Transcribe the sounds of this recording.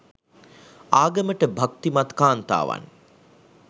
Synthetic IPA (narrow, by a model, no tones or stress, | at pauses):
aːɡəməʈəbʱak̚t̪imɐt̪kaːnt̪a̰ːʋa̰n